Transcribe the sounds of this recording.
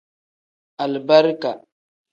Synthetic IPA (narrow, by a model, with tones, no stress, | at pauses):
a˨lba˦ɾka˨